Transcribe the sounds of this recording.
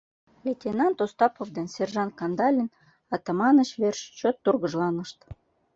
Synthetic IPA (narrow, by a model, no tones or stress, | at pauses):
lʲetʲenɑnt̪ost̪ɑpovd̪ensʲerʒɑnkɑnd̪ɑlʲin | ɑt̪ɑmɑnət͡ɕβerʃt͡ɕot̪ːurɣəʒlɑnəʃt̪